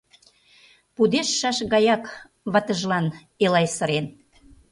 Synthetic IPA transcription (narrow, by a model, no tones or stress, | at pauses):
pud̪eʃːɑʃɣɑjɑk | βɑt̪ə̆ʒlɑn | elɑjsə̆ɾen